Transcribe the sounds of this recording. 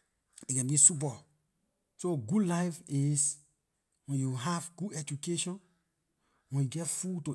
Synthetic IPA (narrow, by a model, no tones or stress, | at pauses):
ikɛ̃nbisup̬a | soɡudlaɪfis | wɛ̃njuɦavɡ̥udɛd͡ʒukeʃɔ̃n | wɛ̃njuɡɛtfuto